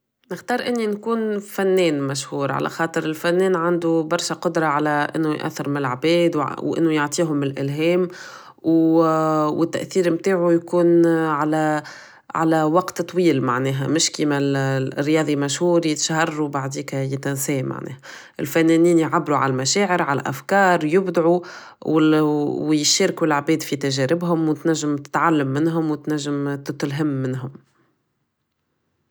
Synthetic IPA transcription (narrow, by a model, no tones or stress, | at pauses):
nɪxt̪ɑːɾˤʔɪnːinkuːnfænːɛːnmæʃhuːɾˤʕa̰lʔæ̰xɑːt̪ˤɨɾɪlfænːɛːnʕand̪ubɑɾˤʃæqʊd̪ɾˤɑʕalæʔɪ̰nːujʔæ̰θːɪɾmɪnɪlʕbɛːd̪wwʔɪ̰nːujoʕt̪ˤiːɦʊmːɪlʔɪlɦɛːm | w | wɪt̪ːæʔθiːɾmt̪aːʕujkuːnʕalæ | ʕa̰læwɑqt̪t̪ˤːwiːlma̰ʕnɛːɦæ̰mɪʃkiːmæ̰rːjɑːðˤimæʃhuːɾit̪ʃɦɑrˤːubaʕd̪iːkæjɪt̪ænsɛːmʔa̰ʕnʔɛ̰ːhæ | ʔɪ̰lfænːɛniːnjʕabːɾuʕa̰lælmæʃɛːʕəɾʕalæ̰ʔæ̰fkɑːɾˤjʊbd̪ʕu | wwjɪʃeːɾkuɪlʕbɛːd̪fit̪æʒɛɾɪbɦʊmwt̪næʒːɪmt̪ɪ̥t̪ʕalːamːɪnɦʊmwt̪næʒːɪmt̪ɪt̪lɦɪmːɪnɦʊm